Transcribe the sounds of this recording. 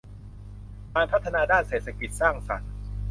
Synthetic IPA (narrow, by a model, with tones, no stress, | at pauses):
kaː˧npʰa˦˥t̪ʰːa˧naː˧daː˥˩nseː˨˩t̪sʰa˧ki˨˩t̪̚saː˥˩ŋsa̰˨˩˦n